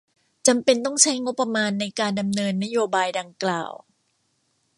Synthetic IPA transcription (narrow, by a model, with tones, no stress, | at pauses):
t͡ɕa˧mpe˧nt̪ɔ˥˩ŋt͡ɕʰa˦˥jŋo˦˥pːa˧maː˧nːa˧jkaː˧nda˧mnɤː˧nːa˦˥joː˧baː˧jda˧ŋkla̰ː˨˩w